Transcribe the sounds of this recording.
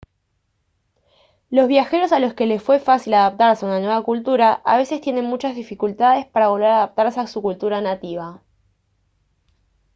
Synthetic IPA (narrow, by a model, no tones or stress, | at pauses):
lo̞zβjaxe̞ɾo̞salo̞ske̞le̞sfwe̞fasilaðap̚t̪aɾseunanwe̞βakult̪uɾaʔa̰β̞e̞se̞st̪je̞ne̞nmut͡ʃazðifikult̪aðe̞spaɾaβo̞lβe̞ɾaðap̚t̪aɾseasukult̪uɾanat̪iβ̞a